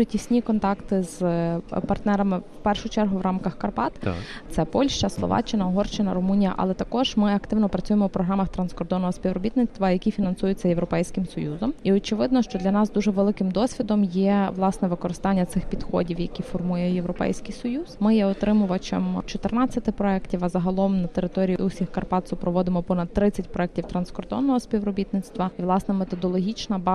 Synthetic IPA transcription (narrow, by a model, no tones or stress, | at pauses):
ʊtʲisʲnʲikɔnt̪ɑkt̪ɪzpɐrt̪nɛɾɐmɪwpɛrʃʊt͡ʃɛrɦʊʋɾʔɑmkɐxkɐrpɑt̪t̪sɛpɔlʲʃt͡ʃɐslˠɔ̰ʋɑ̰t͡ʃɪnɐɔɦɔrt͡ʃɪnɐ̰ɾʊmunʲijɐ̰ʔɐ̰lˠɛt̪ɐkɔʒ̥mɪɐkt̪ɪʋnɔpɾɐt͡sʲujemɔwpɾɔɦɾɑmɐxt̪ɾɐnskɔrd̪ɔnːɔɦɔsʲpʲiʋɾɔbʲit̪nɪt͡sʲsʲt̪ʋɐjɐkʲifʲinɐnsujʊt͡sʲːɐjeʋɾɔpɛjsʲkɪmsɔjuzɔmiɔt͡ʃɪʋɪd̪nɔʃt͡ʃɔd̪lʲɐnɑsd̪uʒɛʋelˠɪkɪmd̪ɔsʲʋʲid̪ɔmjɛʋlˠɑsnɛʋɪkɔɾɪst̪ɑnʲːɐt̪sɪxpʲid̪xɔdʲiwjɐkʲifɔrmujɛjeʋɾɔpɛ̰jsʲkijsɔjuzmɪjɛɔt̪ɾɪmʊʋɐt͡ʃḛmt͡ʃɔt̪ernɑt͡sʲːɐt̪ɪpɾɔɛktʲiʋɐzɐɦɐlˠɔmnɐt̪eɾɪt̪ɔɾʲijiʔusʲixkɐrpɑt̪sʊpɾɔʋɔd̪ɪmɔpɔnɐd̪̚t̪ːɾɪt͡sʲɐtʲpɾɔɛk̚tʲiwt̪ɾɐnskɔrd̪ɔ̰nːɔɦɔspʲiʋrɔbʲit̪nɪt̪st̪ʋɐiʋlˠɑsnɛmet̪ɔd̪ɔlˠɔɦʲit͡ʃnɐb